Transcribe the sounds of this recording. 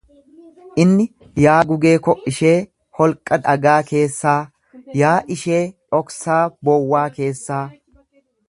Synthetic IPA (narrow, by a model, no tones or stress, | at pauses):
ʔɪnːɪ | jaːɡʊɡe̞ːkɔʔɪʃe̞ː | hɔlkʼːɐd̪ɐɡaːke̞ːsːaː | jaːʔɪʃe̞ːᶑʼɔksaːbɔwːaːke̞ːsːaː